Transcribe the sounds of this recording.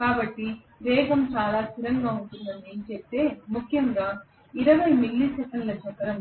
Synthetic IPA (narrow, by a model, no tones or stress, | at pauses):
kaːbɐʈːi | ʋɛːɡɐmt͡ʃaːlaːsuɾɐŋɡaːuɳʈund̪ɐnd̪int͡ʃept̪e̞ːmukʰjɐŋɡaː | iɾɐʋɐjmiɭːisɛkɐɳɖlɐt͡ʃɐkːɐɾɐm